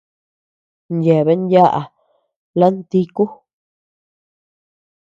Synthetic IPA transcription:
nje˨βe˧˦nja˦ʔa̰˨ | la˦nt̪i˦ku˦

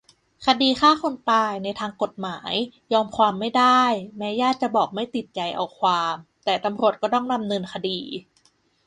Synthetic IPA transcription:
kʰa˧diː˧xaː˥˩kʰo˧nt̪aː˧jna˧jt̪ʰaː˧ŋko˨˩t̪̚maː˩˦jjɔː˧mkʰwaː˧mːa˥˩jda˥˩jmɛː˦˥jaː˥˩t̪̚t͡ɕa˨˩bɔː˨˩k̚ma˥˩jt̪i˨˩t̪̚t͡ɕa˧˩jʔa̰˧wkʰwaː˧m | t̪ɛː˨˩t̪a˧mɾu˨˩ət̪̚kɔː˥˩t̪ɔ˥˩ŋna˧mnɤ˧nkʰa˧diː˧

